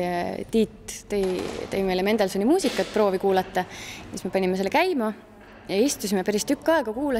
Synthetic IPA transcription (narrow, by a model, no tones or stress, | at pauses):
t̪iːt̪t̪ejt̪ejme̞jleme̞nd̪̥elsonʲimuːsikːˑɑt̪̚ːpro̞ːvikuːlɑt̪ːˑɑsisme̞pɑnʲimeselːekæjmɑ | jɑist̪usimepæɾist̪ykːɑeɡ̥ɑkuːlɑ